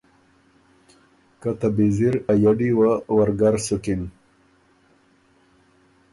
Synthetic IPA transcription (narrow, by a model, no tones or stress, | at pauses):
kat̪abiziɾajaɖiwawaɾɡaɾsukin